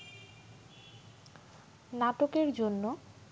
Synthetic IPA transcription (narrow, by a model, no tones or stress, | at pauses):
naʈokeɾd͡ʑonːo